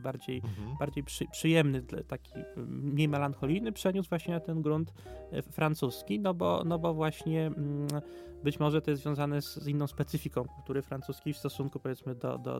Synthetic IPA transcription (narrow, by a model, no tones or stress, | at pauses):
baɾd͡ʑejb̥aɾd͡ʑejpʂɘpʂɘjɛmnɘt̪akʲiɲʲemɛlanxɔlʲijnɘpʂɛɲuzvwaɕɲɛat̪ɛnɡɾunt̪fɾant̪suskʲinɔbɔ̰nɔbɔvwaɕɲɛm | bɘt͡ɕmɔʐɛt̪ɔjɛsvjɔ̃w̃zanɛzzinːɔ̃w̃spɛt̪sɘfʲikɔ̃w̃kult̪uɾɘfɾant̪suskʲejfst̪ɔsuŋkupɔvʲjɛt̪smɘd̪ɔ̰d̪ɔ̰